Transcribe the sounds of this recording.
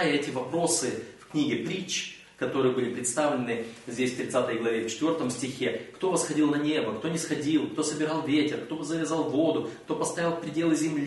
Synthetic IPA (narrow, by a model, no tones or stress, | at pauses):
jəɛtʲɪvɐpɾo̞sɨfknʲiɡʲɪpɾʲit͡ɕː | kɐt̪o̞ɾɨjəbɨlʲɪpɾʲɪt̪st̪avlʲɪnɨzʲdʲesʲft̪ɾʲɪt̪sat̪əjɡlˠɐvʲeft͡ɕɪ̥t̪vʲo̞rt̪əmsʲtʲɪxʲe̞kt̪o̞vəsxɐdʲilˠnɐnʲe̞bəkt̪o̞nʲɪsxɐdʲilˠkt̪o̞səbʲɪɾɑlˠvʲetʲɪrkt̪o̞zəvʲɪzɑlˠvo̞d̪ʊkt̪o̞pɐst̪ɐajʲɪlˠfpɾʲɪdʲe̞lˠɨzʲɪmlʲ